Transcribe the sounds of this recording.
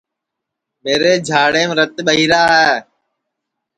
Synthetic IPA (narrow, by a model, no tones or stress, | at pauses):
meːɾeːd͡ʒʱaːɽeːmɾət̪ɓəɦiːɾaːɦɛː